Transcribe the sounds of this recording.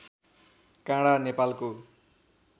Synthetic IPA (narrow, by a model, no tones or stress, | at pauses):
kãɽanepalko